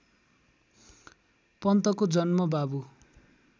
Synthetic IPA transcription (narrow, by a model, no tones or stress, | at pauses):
pʌnt̪ʌkod͡zʌnmʌbabu